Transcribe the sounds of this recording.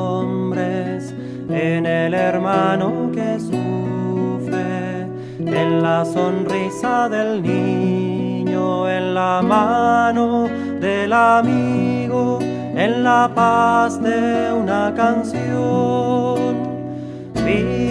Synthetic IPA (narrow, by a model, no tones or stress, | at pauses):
ombɾes | eneleɾmanoke̞sufɾe | enlaso̞nrisaðe̞lni | ɲoenlamano | ðe̞lamiɣo | enlapazd̪eunakansjo | n | fi